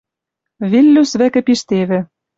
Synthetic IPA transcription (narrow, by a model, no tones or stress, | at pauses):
βilːysβækɘ̆piʃt̪eβɘ̆